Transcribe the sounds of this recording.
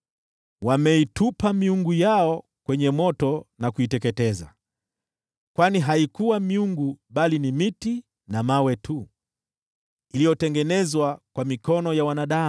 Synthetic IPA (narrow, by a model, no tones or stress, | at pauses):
wamɛitupamiuŋɡujaɔ | kwɛɲɛmɔtɔnakuitɛkɛtɛza̰ | kwaniɦaikuwamiuŋɡuɓalinimiti | namawɛtʰu | ilijɔtɛŋɡɛnɛzwakwamikɔnɔjawanaɗa